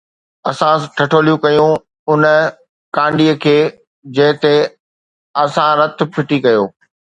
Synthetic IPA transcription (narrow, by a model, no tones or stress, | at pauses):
ɐsãʈʰɐʈʰoːlijũkɐjũ | ʊnə̆ | kãːɳɖiːəkʰeː | d͡ʑɐ̃ɦɪ̃t̪e | ɐsãɾɐt̪ʰʊ̆pʰɪʈikɐjoː